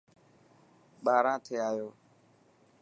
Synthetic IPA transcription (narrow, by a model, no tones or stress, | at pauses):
ɓaːɾãːt̪ʰeːaːjoː